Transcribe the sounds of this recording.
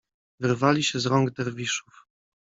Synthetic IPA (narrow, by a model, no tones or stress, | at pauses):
vɘɾvalʲiɕɛzɾɔŋɡd̪ɛɾvʲiʂuf